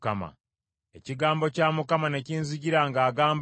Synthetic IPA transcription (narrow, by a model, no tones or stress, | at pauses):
kama̰ | e̞ciɡaːmbo̞caːmukamane̞ciːnzuɟiɾaŋɡaːɡaːmb